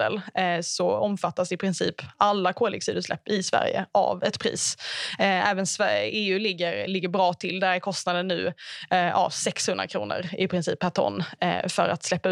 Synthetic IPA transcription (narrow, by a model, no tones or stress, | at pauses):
ə̰lsɔɔmfat̪ːasɪpʰɾɪnsḭːpːalːakʰoːlɪ̰ɡsiːd̪əslɛ̰pːɪsvæ̰ɾjə̰ʔa̰vɛt̪pʰɾḭːs | æːvənsveːʉ̟ːlɪɡːəɾlɪɡːəɾbɾɑːt̪ʰɪld̪æɾæɾkʰɔst̪nad̪ənːʉ̟ː | a̰vsɛkshɵnd̪ɾa̰kʰɾṵːnə̰ɾɪpʰɾɪnsḭːpʰːæʈʰɔ̰nːfœɾa̰t̪slɛpːaʉ